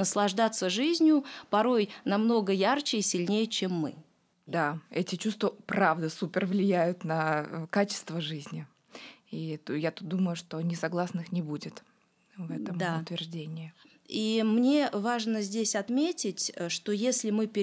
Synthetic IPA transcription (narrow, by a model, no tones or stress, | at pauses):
nəslˠɐʐd̪at̪sːəʐɨzʲnʲjʊpɐɾo̞jnɐmno̞ɡəjart͡ɕɪisʲɪlʲnʲejət͡ɕemːɨ̰ | d̪aɛtʲɪt͡ɕust̪vəpɾavd̪əsupʲɪrvlʲɪjæjʊt̪nɐkat͡ɕɪ̥st̪vəʐɨzʲnʲɪ | it̪jat̪ut̪̚d̪uməjʊʂt̪o̞nʲɪsɐɡlˠasnɨxnʲɪbudʲɪt̪ | vɛt̪əmd̪aʊt̪vʲɪrʐdʲenʲɪɪ | imnʲe̞vaʐnəzʲdʲesʲɐt̪mʲetʲɪtʲʂt̪o̞jesʲlʲɪmɨpʲɪ